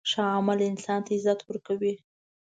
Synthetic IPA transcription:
ʂɑamalɪnsɑnt̪aɪzat̪wəɾkawi

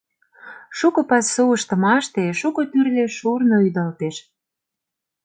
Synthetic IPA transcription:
ʃukɤ̆pɑsːuə̆ʃt̪ɤ̆mɑʃt̪eʃukɤ̆t̪yrleʃurnoyd̪ɑlt̪eʃ

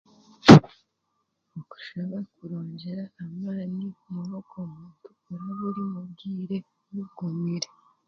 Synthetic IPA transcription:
oku̥ʃaβakuɾo̞ːɲɟe̞ɾaːmaːnimuβokomuːntukuɾaβuɾimubɡiːɾe̞ | βuɡomiɾe

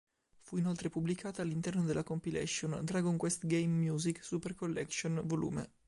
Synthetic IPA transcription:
fuinolt̪ɾepublikʰaːt̪aːlːint̪ɛrnod̪elʔakompilɛ̰sːond̪ɾaɡoŋkwɛst̪ɡejmːjuːziksuperkolːɛkʃonvolṵːmḛ

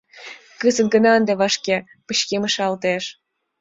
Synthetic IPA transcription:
kəzə̆nɡə̆nɑənd̪eβɑʃkʲe | pəɕkemə̆ʃɑlt̪eʃ

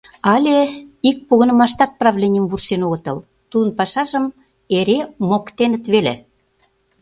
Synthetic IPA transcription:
ɑlʲeik̚puɣə̆nəmɑʃt̪ɑt̪̚prɑβlʲenʲijəmvursenoɣə̆t̪ɤ̆l | t̪ud̪ənpɑʃɑʒəm | eɾemokt̪enə̆t̪βelḛ

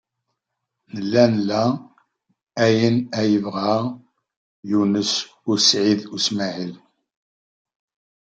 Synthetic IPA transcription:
nəlːænlːæ | æjənæjəvʁa | junəs | ʊɾsʕiðusmæʕil

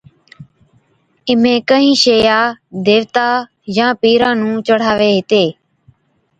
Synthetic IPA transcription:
ɪmẽːkəɦĩːʃeːjaːd̪eːʋt̪aː | jãːpiːɾãːnũːt͡ʃəɽ̤aːʋeːɦɪt̪eː

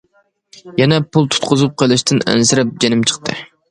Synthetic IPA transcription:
jɛnɛpʰulˠt̪ʰu̥t̪̚qʊzup̚qʰelˠɪʃt̪ʰɪnɛ̰nsɪɾɛp̚d͡ʒenɪmt͡ʃʰə̥qt̪ʰɨ̰

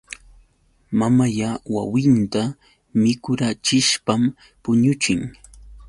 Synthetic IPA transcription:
mamajawa̰wɪnt̪a | mɪkʊɾat͡ʃɪʃpam | pʊɲʊt͡ʃɪŋ

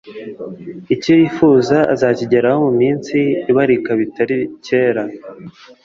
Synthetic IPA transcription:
icojiːfuːzaa̰zaːciɟeɾahomumiːnt͡siːβaɾikaβitaɾiceːɾa

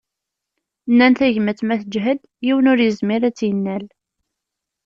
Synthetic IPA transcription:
nːænθæʝmət͡sːmæθəd͡ʒɦəd̪ | jiwənʊɾjəzmɪɾæt͡sːjənːæl

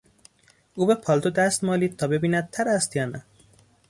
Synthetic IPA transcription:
uːbepʰɒːlt̪od̪æst̪mɒːliːd̪̚t̪ʰɒːbe̞biːnæd̪̚t̪ʰæɾæst̪jɒːnæ

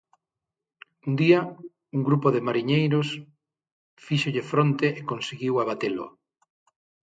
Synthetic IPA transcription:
und̪iɐ | uŋɡɾupoðɪmaɾiɲejɾʊs | fiʃoʎɪfɾont̪eʔekonsiɣiwaβat̪elʊ̰

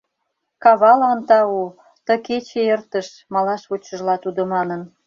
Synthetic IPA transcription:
kɑβɑlɑnt̪ɑu | t̪əket͡ɕeert̪əʃ | mɑlɑʃβot͡ɕəʒlɑt̪ud̪omɑnən

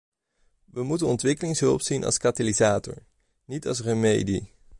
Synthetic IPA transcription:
ʋəmutənɔntʋɪkəlɪŋsɦɵlˠpsinʔɑ̰lˠskatalizaːtɔ̰ɹ | nitɑ̰lˠsrəmejdḭ

